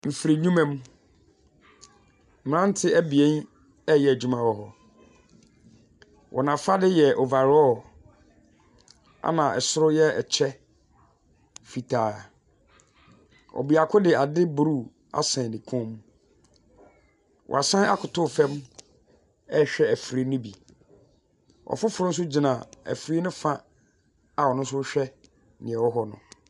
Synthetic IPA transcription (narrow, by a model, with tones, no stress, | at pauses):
m̩˨fi˨ɾi˨ɲũ˦mɛ̃˦m˦ | m̩˨m˨ɾã˦n̩˦tʰɪ˦ʔæ˦bi˨ẽ˦n | ɛ˦jɛ˨æ˨d͡ʑu˦mã˨wɔ˦ɦɔ˨ | wʔɔ̰˨nã˨fa˦dɪ˦jɛ˨ʔɔ˨va˨ɾɔ˦ | a̰˨nã˨ɛ˨sʊ˦ɾʊ˦jɛ˦ɛ˨t͡ɕʰɛ˦ | fi˨tʰaː˨ | ɔ̰˨bi˨a˨kʰʊ˦dɪ˨a˨dɪ˦bu˨ɾu˦˨ | a̰˨sɛ̃˨nĩ˨kʰɔ̃˦m˦ | wʔɔ̰˨a˨sã˦a˦kʰʊ˨tʰʊ˦˨fɛ̃˦m | ɛ˦ɕᶣɛ˦æ˨fɾi˦nʊ̃˦bi˨ | ɔ̰˨fʊ˦fʊ˨ɾʊ̃˦n˦s̬ʊ˦d͡ʑi˨nã˨æ̰˨fɾi˦nʊ̃˦fã˦ | a˨wɔ˨nʊ̃˦s̬ʊ˦ɕᶣɛ˦ | nɪ̃˨ɛ̃˨wɔ˦ɦɔ˨nʊ̰̃˨